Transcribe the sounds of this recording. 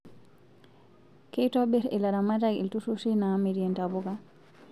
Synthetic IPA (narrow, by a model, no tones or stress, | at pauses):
kɛjtɔbɛɾɛ̰laɾamataɡḭltususinamidiɛntabuɡa